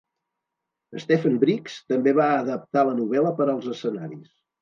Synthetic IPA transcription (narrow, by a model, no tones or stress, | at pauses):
əst̪efəmbɾikst̪əmbeβaəðəp̚t̪alənuβ̞ɛləpəɾəlˠzəsənaɾis